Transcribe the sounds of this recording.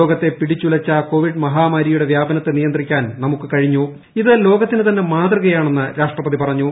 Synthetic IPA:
o̞ːɡɐt̪ːe̞piɽit͡ɕːulɐt͡ɕːɐko̞ːʋiɖmɐɦaːmaːɾijuɽe̞ʋjaːbɐnɐt̪ːenijɐnd̪rikʲːaːnnɐmukːɨkɐɻiɲːu | iðɨlo̞ːɡɐt̪ːinɨt̪ɐnːe̞maːt̪rɨɣɐjaːɳe̞nːɨɾaːʂʈrɐpɐðipɐrɐɲːu

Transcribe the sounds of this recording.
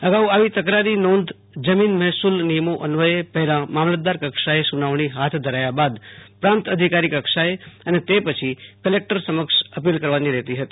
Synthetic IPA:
əɡauaʋit̪əkɾaɾinõnd̪ | d͡ʒəminmɛɦsulnijəmoʔənʋəepəɦɛlãmamlət̪̚d̪aɾkəkʃaesunaʋɳiɦat̪ʰd̪ʱəɾajabad̪pɾãnt̪əd̪ʱikaɾikəkʃaeənet̪epət͡ʃʰikəlek̚ʈəɾsəməkʃəpilkəɾʋaniɾɛɦt̪iɦət̪i̥

